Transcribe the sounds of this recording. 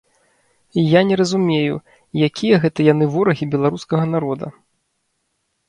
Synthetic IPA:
ijanʲɛɾɐzumʲejṵ | jakʲijɐɣɛt̪ɐjanɨvɔɾɐɣʲibʲɛlˠaɾuskɐɣɐnaɾɔd̪ɐ̰

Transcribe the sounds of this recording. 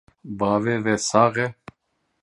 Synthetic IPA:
baːvɛːvɛsaːɣɛ

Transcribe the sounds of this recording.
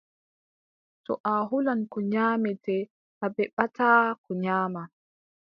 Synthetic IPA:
tɔ̰ʔaɦulankɔɲaːmɛtɛ | ʔabɛɓatʰaːkɔɲaːma

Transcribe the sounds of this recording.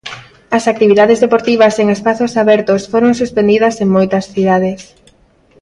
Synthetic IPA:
ɐsak̚t̪iβ̞iðaðezðepoɾt̪iβɐseŋespaθosaβɛɾt̪osfoɾoŋsuspend̪iðɐseŋmojt̪ɐsθiðaðɪs

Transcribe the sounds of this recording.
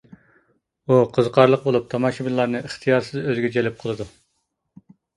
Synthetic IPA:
uqʰəzqʰɑɾlˠəq̚bolˠup̚t̪ʰɑmɑʃibilːˠɑɾnɨʔəχt̪ʰijɑɾsɨzøzɡʲɛd͡ʒɛlɪp̚qʰəlˠɨd̪u

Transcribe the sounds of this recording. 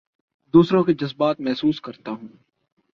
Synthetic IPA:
d̪uːsɾõked͡ʒɐzbaːt̪̚mɛɦsuːskɐɾt̪aɦũː

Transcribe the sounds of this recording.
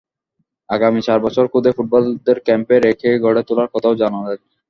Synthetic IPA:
aɡamit͡ɕaɾbɔt͡ɕʰoɾkʰud̪ʱefuʈ̚bɔlud̪eɾkɛmpeɾekʰeɡʱɔɽet̪ulaɾkɔt̪ʰaoʊd͡ʑanad̪ak̚

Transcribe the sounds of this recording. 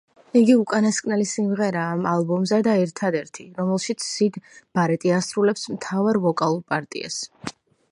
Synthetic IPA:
iɡiukʼanaskʼnɛlisimʁɛɾaːmalˠbɔmzɛd̪aɛɾt̪ʰad̪ɛɾt̪ʰiɾɔmɛlˠʃit̪sʰsid̪b̥aɾɛt̪ʼiasɾulɛpsmt̪ʰavaɾvɔkʼalˠuɾpʼaɾt̪ʼḭa̰s

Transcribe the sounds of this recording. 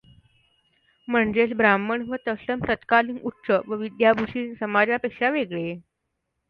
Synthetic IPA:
m̤əɳd͡ʑesbɾaməɳʋət̪əsəmt̪ət̪kaliːŋutːɕəʋəʋid̪jabʱuʂiːnsəmad͡ʑjapekʂaʋeɡɭe

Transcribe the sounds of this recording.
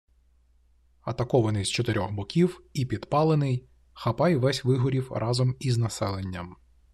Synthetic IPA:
ɐt̪ɐkɔʋɐnɪjzt͡ʃɔt̪eɾʲɔxbɔkʲiwipʲid̪̥pɑlˠenɪj | xɐpɑjʋɛsʲʋɪɦɔɾʲiwrʔɑzɔmiznɐsɛlˠe̞nʲːɐm

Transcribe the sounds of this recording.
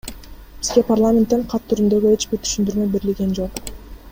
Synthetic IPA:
b̥izɡe̞parlˠamʲent̪ːeɴqʰɑt̪ʰːyɾynd̪ø̞ɡyet͡ʃbiɾt̪ʰy̥ʃynd̪yɾmø̞be̞ɾilɡʲe̞nd͡ʒo̞q

